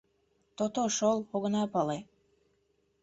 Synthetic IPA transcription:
t̪ot̪oʃolˠoɣə̆nɑpɑle

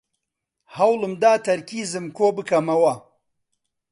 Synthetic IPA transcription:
hɐwlɨmd̪aːt̪ʰɐɾkiːzɨmkoːbɨkɐmɐwɐ

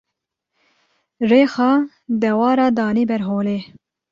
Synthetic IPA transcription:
reːxɑː | d̪ɛwɑːɾɑːd̪ɑːniːbɛɾɦoːleː

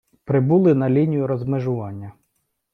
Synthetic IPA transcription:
pɾɪbulˠɪnɐlʲinʲijʊɾɔzmeʒʊʋɑnʲːɐ

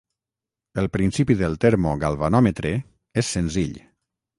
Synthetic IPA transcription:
əlˠpɾinsipiðəlˠt̪eɾmoɣalˠβanɔmet̪ɾe | esːenziʎ

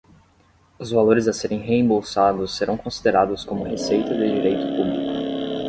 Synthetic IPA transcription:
ʊzvaloɾɪzaseɾẽj̃ɦeẽbowsad̪ʊsːeɾɐ̃w̃kõsid̪eɾad̪ʊskõmʊhesejt̪ɐd̪ɪd͡ʒiɾejt̪ʊpublikʊ

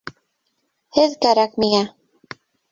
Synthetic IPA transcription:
heðkaɾakmia

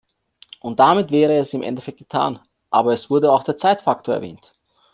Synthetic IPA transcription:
ʔʊnt̚d̥amɪtv̥ɛːʁəɛsɪmʔɛ̰ndɛfɛk̚t̚ɡ̥ə̥tʰa̰ːn | ʔaːbɐɛsv̥ʊɐdəaʊxd̥eːɐt͡saɪtfaktʰoːɐɛɐvɛ̰ːnt

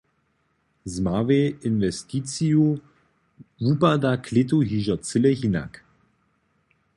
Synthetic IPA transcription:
zmaveɪnvɛstit͡siu | vupadakʰlɪt̬uɦiʒɐt͡sɪlɛɦina̰k

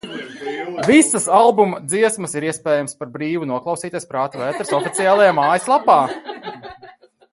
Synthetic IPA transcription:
visɐsalˠbumɐd̪ziɛsməsiɾiɛspɛːjamspaɾbɾiːvunuɔklˠawsiːt̪ʲispɾaːt̪uvɛːt̪ɾsɔfit̪sijaːlˠajamaːjislˠapaː

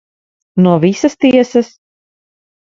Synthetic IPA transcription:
nuɔvisɐst̪iɛsɐs

